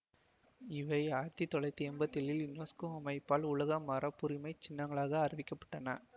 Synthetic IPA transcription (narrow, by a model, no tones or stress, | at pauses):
ɪʋɐɪaːɾt̪it̪ːɔɭɐɪt̪ːiɛmbɐt̪ːɪlɪlɪnːoːskoɐmɐɪpːaːlʊɭɐɣɐmɐɾɐpːʊɾɪmɐɪt͡ʃɪnːɐŋɡɐɭaːɣɐːɾɪʋɪkːɐpːɐ̥ʈːɐnɐ